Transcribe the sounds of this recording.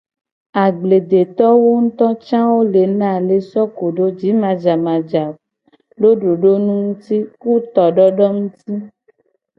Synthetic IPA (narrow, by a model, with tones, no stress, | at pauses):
a˨ɡ͡ble˨d̪e˨t̪ɔ˦wo˦ŋ̩˦t̪ɔ̃˦t͡ʃã˦wo˦le˨nã˦˨le˨sɔ˦ko˨ɖo˦d͡ʒi˨˦mã˨d͡ʒa˨mã˨d͡ʒa˨ | lo˦ɖo˨ɖo˦nũ˦ŋũ˦t̪i˦ku˦t̪ɔ˨ɖɔ˦ɖɔ˦ŋũ˦t̪i˦